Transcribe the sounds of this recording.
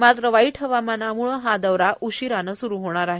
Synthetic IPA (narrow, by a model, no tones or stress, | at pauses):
mat̪ɾəʋaiʈʰəʋamanamuɭəɦad̪əʋɾaʔuɕiɾanəsuɾuɦoɽ̃aɾaɦe